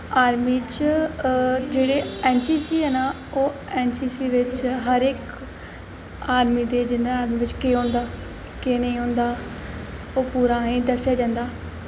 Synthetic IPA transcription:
aːɾmiːt͡ʃ | d͡ʒeːɽeːɛːnsiːsiːɦɛːnaː | oːɛːnsiːsiːʋɪt͡ʃɦəɾɪːk | aːɾmiːd̪eːd͡ʒɪnd̪aaːɾmiːʋɪt͡ʃkeːɦõːnd̪aː | keːnəĩːɦõːnd̪aː | oːpuːɾãːĩːd̪əsjaːd͡ʒãːnd̪aː

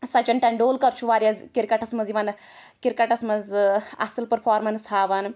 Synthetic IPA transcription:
sɐt͡ʃɐnʈɐɳɖoːlkɐɾt͡ʃʰuʋaːɾijɐzkiɾkɐʈɐsmɐziʋɐn | kiɾkɐʈɐsmɐzɐ̰sɨlpɐɾfʰaːɾmɐnshaːʋaːn

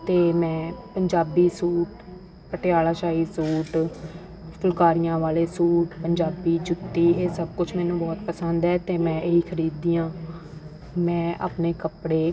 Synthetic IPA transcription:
t̪eːmɛ̃ːpəɲd͡ʒaːbiːsuːʈ | pəʈɪjaːlaːʃaːiːsuːʈ | pʰʊlkaːɾɪjãːʋaːleːsuːʈpəɲd͡ʒaːbiːd͡ʒʊt̪ːiːeːsəb̚kʊt͡ʃʰmɛːnũːbɔːt̪pəsənd̪ɛːt̪eːmɛ̃ːʔeiːkʰəɾiːd̪iːãː | mɛ̃ːʔa̰ːpneːkəpɽeː

